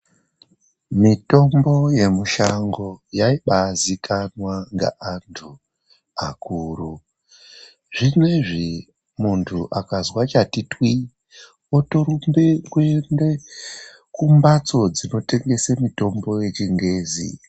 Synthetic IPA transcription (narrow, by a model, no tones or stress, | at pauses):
mito̞mbo̞je̞muʃaŋɡo̞jaiɓazikanwaŋɡa̰ʔantʰu | akuːru | ʐimweʐi | muntʰuʔakazwat͡ʃatitwi | otoɾumbekwende | kumbat͡so̞d͡zino̞te̞ŋɡe̞semito̞mbo̞je̞t͡ʃiŋɡe̞ːzḭ